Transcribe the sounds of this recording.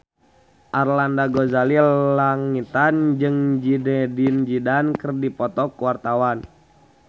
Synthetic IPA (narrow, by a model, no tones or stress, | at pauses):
ʔarlandaɡɔzalilaŋit̪and͡ʒɨŋd͡ʒidɛdind͡ʒidankərdipɔt̪ɔkuwart̪awan